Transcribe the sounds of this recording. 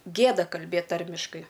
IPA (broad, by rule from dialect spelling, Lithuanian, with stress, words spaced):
ˈɡʲeːdɐ kɐlʲˈbʲeːt ˈtɐrʲmʲɪʃkɐɪ